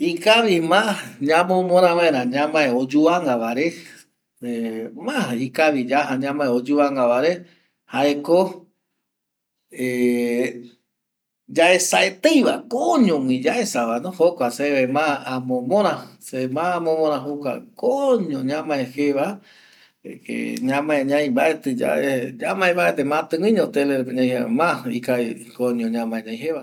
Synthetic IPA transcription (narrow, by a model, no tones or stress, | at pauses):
ikaʋimaɲãmõmõɾ̃ãʋãẽɾãɲãmãeod͡ʒuaŋɡaβaɾe | emãikaʋid͡ʒahaɲãmãeod͡ʒuaŋɡaʋaɾe | haʔeko | e | d͡ʒaʔesaʔet̪ejʋakoɲõŋĩd͡ʒaʔesaʋanõhokʷaseemããmõmõɾ̃ãsemãamõmõɾ̃ãɦukʷa̰koɲõɲãmãẽheʋa | ḛɲãmãẽɲãj̃baet̪ɨd͡ʒa̰eɲamãẽmbaet̪emãt̪ɨ̃wĩɲõt̪eleɾeɲãj̃hḛmãḭkai | koɲõɲãmãeɲãj̃ɦeβa